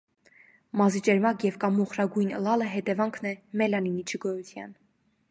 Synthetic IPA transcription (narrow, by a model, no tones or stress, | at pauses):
mɑzit͡ʃɛɾmɑkjɛvkɑmuχɾɑɡujnə̰lɑləɦɛt̪ɛvɑŋkʰnɛmɛlɑninit͡ʃʰəɡɔjut̪ʰjɑ̰n